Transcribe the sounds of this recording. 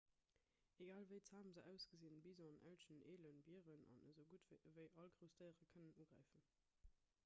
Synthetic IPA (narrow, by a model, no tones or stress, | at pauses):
eɡaːlvəɪt͡saːməzəʔæʊsɡ̥əzinbiznʔæ̰lʃənʔeːlənbiəʁənɑ̰nə̰zəʊɡuətvɪəvəɪʔɑlɡʁəʊstəɪəʁəkʰənənuːɡʁæ̰ɪfən